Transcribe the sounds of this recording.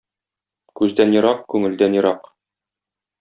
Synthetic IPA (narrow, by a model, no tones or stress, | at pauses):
kʉzd̪ænjɤ̆ɾɑq̚kʉŋɘ̆ld̪ænjɤ̆ɾɑq